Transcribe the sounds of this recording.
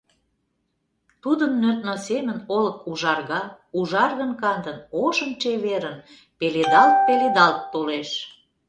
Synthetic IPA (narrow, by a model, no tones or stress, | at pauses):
t̪ud̪ənːøt̪nosemə̆noləkuʒɑrɣɑ | uʒɑrɣə̆nkɑnd̪ənoʃənt͡ɕeβeɾən | peled̪ɑlt̪̚peled̪ɑlt̪ːoleʃ